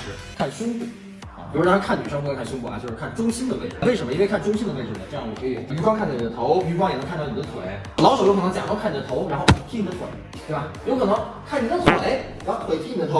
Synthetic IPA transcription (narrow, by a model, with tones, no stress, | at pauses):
ʂɻ̩˥˩ | kʰa˥˩nɕʊ˥ŋpṵ˥˩ | i˨˩˥u˥ɻkʰa˥˩ny˨˩ʂə˥ŋ˥ɔ˥˧˥kʰa˥˩nɕ̬ʊ˥ŋpu˥˩ɐ̰˧˩t͡ɕo˥˧ʊʂɻ̩˥˧kʰa˥˩nʈ͡ʂʊ˥ŋɕi˥nd̪ə˨wḛ˥˧ʈ͡ʂə̰˨˩we˥˩ʂə˧˥mə˧i˥n˥e˧kʰa˥˩nʈ͡ʂʊ˥ŋɕi˥nd̪ə˨˧we˥˧ə˥˩nə˨˩ʈ͡ʂɤ˥˧jɑ˥˩ɔ˨˩˧y˧˥fɑ˥ŋkʰa˥˩nt̪ɑ˥˩ni˨˩ə˦t̪ʰo˧˥ʊy˧˥fɑ˥ŋjɛ˨˩n˧˥ŋkʰa˥˧nt̪ɑ˥˩n˨˩d̪t̪ʰwḛ˨˩˦ɪ | lɑ˧˥ʊʂo˨˩o˥kʰnɤ˧˥t͡ɕja˨˩˥kʰa˥˩ni˨˩d̪ə˦t̪ʰo˧˥ʊɻa˧˥nxo˥˩ʊtʰi˥˩i˧˩d̪ə˧tʰwḛ˨˩˦ɪtt̪we˥˩bɐ˨˩jo˧˥ʊkʰɤ˨˩nɤ˧˥˦ŋkʰa˥˩ni˨˩d̪ə˧t̪ʰwe˨˩˦ɪɻa˧˥xt̪ʰwe˧˥ɪt̪ʰi˥˩i˩d̪ət̪ʰo˧˥